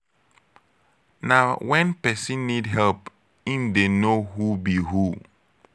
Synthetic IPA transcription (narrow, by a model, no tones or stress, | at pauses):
naʊwɛ̃npɛsĩnːidɦɛlp | ĩndenoɦubihu